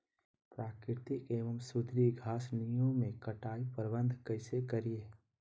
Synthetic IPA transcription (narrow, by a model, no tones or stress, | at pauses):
pɾaːkɾɪɾt̪ikeːʋəmsʊd̪ɾiɡʱaːsnijõmẽkəʈaːipəɾbə̃nd̪ʱkəɪsekəɾieː